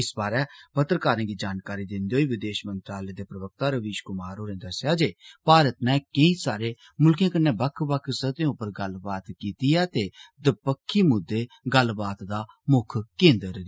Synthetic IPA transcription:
ɪsbaːɾɛːpət̪ɾəkaːɾẽːɡiːd͡ʒaːnkaːɾiːd̪ɪnd̪eɦoːiːʋɪd̪eːʃmə̃nt̪ɾaːlɛːd̪eːpɾəʋək̚t̪aːɾəʋiːʃkʊmaːɾoːnẽd̪əsjaːd͡ʒeːpaːɾət̪nɛːkəĩsaːɾeː | mʊlkjẽːkənːeːbəkʰbəkʰsət̪ẽʊpəɾɡəlbaːt̪kiːt̪iɛːt̪ed̪əpəkʰːimʊd̪ːeː | ɡəlbaːt̪d̪aː | mʊkʰkẽːnd̪əɾd̪

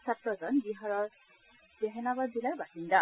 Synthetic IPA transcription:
satɹɔzɔnbiɦaɹɔɹ | bɛɦɛnabaddilaɹbasinda

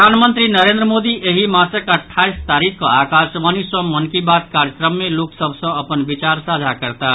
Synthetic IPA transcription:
anmənt̪ɾinəɾẽnd̪ɾəmod̪iʔeɦimãsəkəʈʰːaist̪aɾikʰkoakasʋəniswəmːənkibat̪̚kaɾjəkɾəmːeloksəbʱsə̃əpənbit͡ʃaɾsad͡ʒʱakəɾt̪a

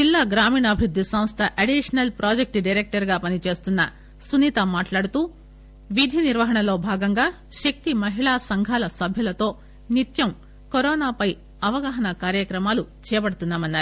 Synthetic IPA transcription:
d͡ʒilːaːɡɾaːmiːɳɐːbʱɾud̪ʱːisɐ̃m̃st̪ʰɐʔɐɖiʂɐnɐlpɾʔaːd͡ʒek̚ʈɖɐjɾeːk̚ʈɐɾɡaːpɐnit͡ʃe̞ːst̪unːɐ | sunit̪ɐmaːʈlaːɽut̪uː | ʋid̪ʱiniɾʋɐɦɐɳɐlo̞ːbʱaːɡɐŋɡaː | ʃɐk̚t̪imɐɦiɭaːsɐŋɡʱaːlɐsɐbʱjɐlɐt̪o̞ː | nit̪jɐm | koɾɔːnaːpɐj | ɐʋɐɡaːɦɐɳɐkaːɾjɐkɾɐmaːlut͡ʃɛːjɐbɐɽɐt̪unːaːmɐnːaːɾu

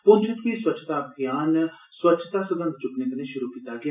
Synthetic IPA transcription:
pʊnt͡ʃʰɪt̪ʋiːswət͡ʃʰt̪aːbɡɪjaːn | swət͡ʃʰt̪aːsəɡ̪ə̃nd̪t͡ʃʊknẽk̪ənẽʃʊɾukiːt̪aːɡɪj

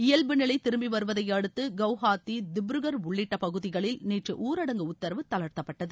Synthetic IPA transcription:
ɪjɐlbɯnɪɭɐɪt̪ːɪɾɯmbiʋɐɾɯʋɐðɐjɐɽɯt̪ːɯɡɐʋhaːt̪ːid̪ɪbɾɯɣɐɾʊɭːɪʈːɐpɐɣɯðɪɣɐɭɪlniːʈrɯʔuːɾɐɽɐŋɡɯʊt̪ːɐɾɐʋɯt̪ɐlɐɾt̪ɐpːɐʈːɐðɯ

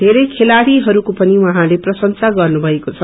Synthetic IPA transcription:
d̪ʱeɾʌjkʰelaɽiɦʌɾukopʌniwʌɦãleprʌsʌnsaɡʌrnubʱʌekot͡sʰʌ

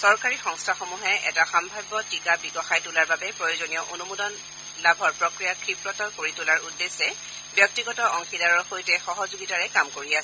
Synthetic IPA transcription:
sɔɹkaɹixɔŋstʰaxomuɦɛʔɛ̰taxambʱajbːɔtikabiɡɔxajtulaɹbabɛpɹojozonijɔʔonumudɔn | labʱɔɹpɹɔkɹijakʰɹipɹɔtɔkoɹitulaɹudːesɛ | bjɔk̚tiɡɔtɔʔɔŋxidaɹɔxojtɛxɔɦɔzuɡitaɹɛkamkoɹiasɛ

